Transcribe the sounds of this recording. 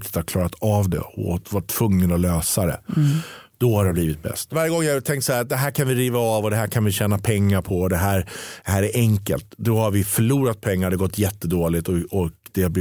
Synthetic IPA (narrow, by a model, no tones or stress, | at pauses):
t̪ɪ̥t̪haɾkʰlɑːɾat̪avd̪ɛ̰ɔvaʈʰːv̥ɵŋːənɔløːsad̪ɛ̰ | d̪̥ɔhaɾɛbliːvɪt̪̚bɛ̰st̪vaɾjəɡɔŋːjat̪ʰɛŋkt̪sahæːɾt̪̚d̪ɛɦæːɾkʰanvɪɾiːvaːvɔd̪ɛɦæːɾkʰanvɪɕɛːnapʰɛŋːaɾpʰɔd̪ɛɦæːɾd̪̥ɛɦæːɾæɾʔɛŋkə̰lt̪d̪ɔhaɾvɪfœɭuːɾat̪̚pʰɛŋːaɖɛɡɔt̪ːjɛt̪ːəd̪oːlɪt̪ɔɔkd̪̥ɛabl